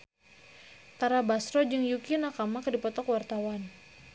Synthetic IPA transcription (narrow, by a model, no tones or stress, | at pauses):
t̪aɾabasɾɔd͡ʒɨŋjukinakamakədipɔt̪ɔkwart̪awan